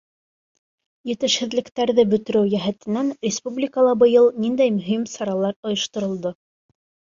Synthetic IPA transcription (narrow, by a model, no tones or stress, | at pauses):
jɘ̆t̪ɘ̆ʃhɘ̆ðlɘ̆kt̪æɾðɘbɵ̆t̪ɵ̆ɾɘwjæɦæt̪ɘ̆nːænɾʲɪspublʲikəlˠɑbɤ̆jɤlˠnind̪æjmɵ̆ɦimsɑɾɑlˠɑɾŏjŏʃt̪ŏɾŏlˠd̪o